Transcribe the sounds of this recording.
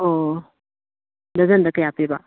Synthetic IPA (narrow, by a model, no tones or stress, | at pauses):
o | d̪əzɐnd̪əkəjapeba